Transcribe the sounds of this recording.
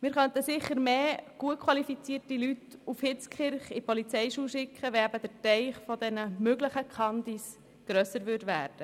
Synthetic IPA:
mɪːɾχœnt̪əsɪχːəɾmeːɡ̥uətkʰwɑlifit͡siətilytufhɪt͡skχɪɾχipɔlit͡sɛɪʃuːʃɪkʰχəʋɛæbəd̥əɾtɛɪχfɔd̥̪ɛnəmøɡləχəkʰɑnd̪is | ɡ̥ɾœsəɾʋʏɾdʋæ̰ːɾd̥ə

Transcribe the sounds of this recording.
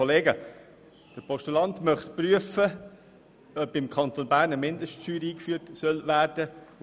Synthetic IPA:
oleːɡə | d̥əɾpʰɔʃtulɑntmœχtpryəfə | œpɪmkʰɑnt̪onbæːɾnəmɪndəʃtʃyːɾiːkfyːɾtsœlvæːɾd̥ə

